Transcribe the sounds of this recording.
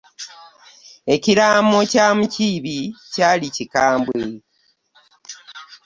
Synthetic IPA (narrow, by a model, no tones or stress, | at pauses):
e̞ciɾaːmo̞caːmuciβicaːlicikaːmbwe